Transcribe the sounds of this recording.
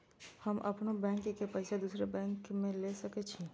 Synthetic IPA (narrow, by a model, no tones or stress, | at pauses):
həmʔɐpnobɛ̃ːŋkkepɐɪsʰed̪uːsɾebɛ̃ːŋkmẽlesəket͡ʃʰi